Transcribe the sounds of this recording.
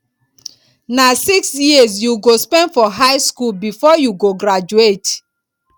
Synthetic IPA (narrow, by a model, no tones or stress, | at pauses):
nasiksjizjuɡospɛ̃ndfɔɦaɪskulbifɔjuɡoɡɹad͡ʒuet